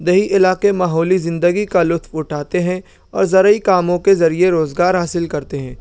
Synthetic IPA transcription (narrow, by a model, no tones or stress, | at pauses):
d̪ɐɦiʔɪlaːkemaːɦɔːlizɪ̃nd̪əɡikalʊt̪ʋʊʈʰaːt̪eɦɛ̃ | ɔ̰ːɾzɐɾəikaːmõkezɐɾieɾoːzɡaːɾɦaːsɪlkɐɾt̪eɦɛ̃ː